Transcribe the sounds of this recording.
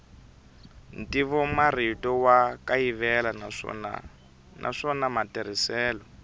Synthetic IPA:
ntiβɔmar̤itɔwakajiβɛla̰na̰ | nʔa̰ʂɔnamatɛɾ̤isɛːlɔ

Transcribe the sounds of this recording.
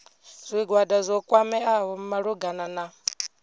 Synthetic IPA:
zʷiɡwadazʷɔkʼwamɛawɔm̩maɺuɡanana

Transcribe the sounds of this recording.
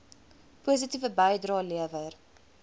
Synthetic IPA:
puəs̬itivəbəjdrɑːliəvər

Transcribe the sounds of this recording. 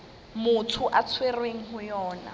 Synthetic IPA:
mʊtʰʊʔat͡sʰwerweŋ̩ɦʊjɔːna̰

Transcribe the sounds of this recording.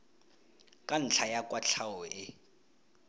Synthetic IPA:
kʼan̩t͡ɬʰajakʼwat͡ɬʰawɔɪ

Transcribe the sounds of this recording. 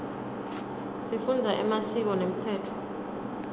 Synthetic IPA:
sifund͡zʱaʔɛ̰masik̬ɔnem̩tʰɛːtʰɔ̥

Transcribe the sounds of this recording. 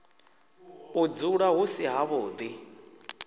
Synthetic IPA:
ud͡zuɺaɦusiɦaβʊːd̪i

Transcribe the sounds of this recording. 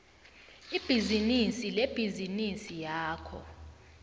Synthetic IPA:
ib̥ʱizinisileb̥ʱizinisijaːkʰɔ̰

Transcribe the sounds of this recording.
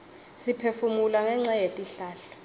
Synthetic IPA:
sipʰefumulaŋɛŋ͡ǀajetʼiɬaːɬɔ̥

